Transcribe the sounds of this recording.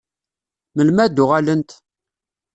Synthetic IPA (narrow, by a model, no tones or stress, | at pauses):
məlmæd̪ʊʁalənt̪